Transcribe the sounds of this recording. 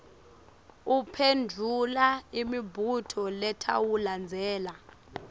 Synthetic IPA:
upʰendʱulaimibʱutʰɔlɛtʰa̰wuland͡zʱɛːla

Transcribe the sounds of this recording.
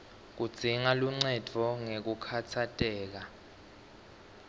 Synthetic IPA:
k̬ud̥z̥ʱiŋaluŋ͡ǀɛd̥ʱɔŋek̬ukʰatʰatʼɛːk̬a

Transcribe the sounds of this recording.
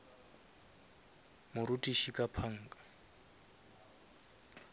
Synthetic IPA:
mʊɾutʼiʃikʼapʰaŋ̩ːkʼḁ

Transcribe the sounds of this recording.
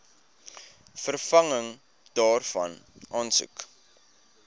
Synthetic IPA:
fərfɐŋəŋ | d̥ɑːrfɐ̰nʔɑːnsṵk

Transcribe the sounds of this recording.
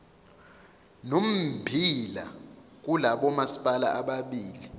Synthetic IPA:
nom̩bʱila̰ | k̬ulaɓɔmasi̥pʼala̰ʔaɓaɓiːli

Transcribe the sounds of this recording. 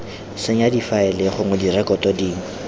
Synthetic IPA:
sɪɲadifaɪlɪχʊŋʊdirɛkɔtʼɔdiːŋ̩

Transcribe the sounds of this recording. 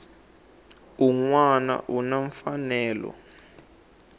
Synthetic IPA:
uŋwana̰ʔunaɱfanɛːlɔ̰

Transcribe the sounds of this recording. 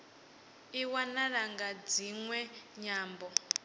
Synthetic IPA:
iwanaɺaŋɡad͡ziŋwɛɲaːmbɔ

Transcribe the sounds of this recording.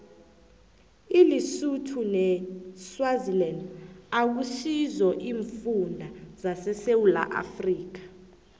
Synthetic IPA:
ilisutʰunɛswazilɛndak̬uʃizɔʔiːɱfundʱazasɛsewula̰ʔa̰friːk̬ḁ

